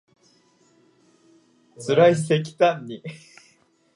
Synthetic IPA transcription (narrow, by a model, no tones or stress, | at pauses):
t͡sɨɾaisekʲi̥t̪ãɲːi